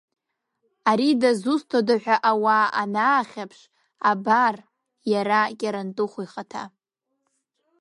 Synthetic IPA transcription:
aɾidazustʰodaħʷᶣaʔawaanaːχʲapʰʂ | abar | jaɾakʲʼaɾantʼɨχʷiχatʰa̰

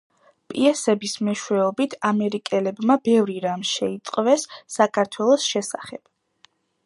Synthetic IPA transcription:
pʼiɛsɛbismɛʃwɛɔbit̪ʰamɛɾikʼɛlɛbmabɛvɾiɾamʃɛit̪sʼqʼvɛsːakʰaɾt̪ʰwɛlˠɔsʃɛsaχɛb̥

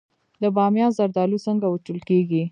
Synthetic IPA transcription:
d̪əbɑmjɑzaɾd̪ɑlusəŋɡawəʈəlkeɡi

